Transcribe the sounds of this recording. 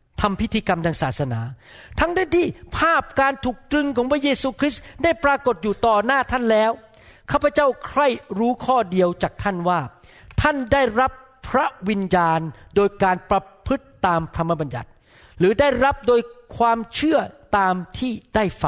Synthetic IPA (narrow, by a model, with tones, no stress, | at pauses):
t̪ʰa˧mpʰi˦˥t̪ʰːiː˧ka˧mdaː˧ŋsaː˨˩t̪̚sa˧na̰ː˩˦ | t̪ʰa˦˥ŋdaː˥˩nt̪ʰiː˥˩pʰaː˥˩p̚kaː˧nt̪ʰuː˨˩k̚t̪ɾɯ˧ŋkʰɔː˩˦ŋpʰɾa˦˥jeː˧suː˧kʰɾi˦˥sda˥˩jpɾaː˧ko˨˩t̪̚juː˨˩t̪ɔː˨˩naː˥˩t̪ʰa˥˩nlɛː˦˥w | kʰaː˥˩pʰːa˧t͡ɕa˥˩wkʰɾa˥˩jɾuː˦˥kʰɔː˥˩di˧əwt͡ɕaː˨˩k̚t̪ʰa˥˩nwaː˥˩t̪ʰa˥˩ndaː˥˩jɾa˦˥pʰɾa˦˥wi˧njaː˧ndoː˧jkaː˧npɾa˧pʰɯ˦˥t̪ːaː˧mt̪ʰa˧mːa˦˥ba˧nja̰˨˩t̪̚ | ɾɯː˩˦daː˥˩jɾa˦˥p̚doː˧jkʰwaː˧mt͡ɕʰɯ˥˩ɐt̪aː˧mt̪ʰiː˥˩d̥aː˥˩jfa˨˩